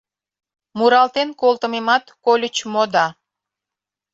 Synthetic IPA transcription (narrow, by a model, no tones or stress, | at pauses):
muɾɑlt̪enkolˠt̪əmemɑt̪kolʲət͡ɕmod̪ɑ